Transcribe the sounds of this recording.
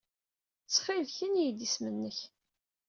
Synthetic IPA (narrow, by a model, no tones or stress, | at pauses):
t͡sːχɪlçənijd̪ismənːəç